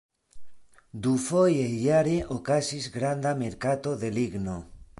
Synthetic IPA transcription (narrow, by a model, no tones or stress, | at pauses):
d̪ufojejaɾeʔokasizɡɾand̪ameɾkat̪oðeliɣno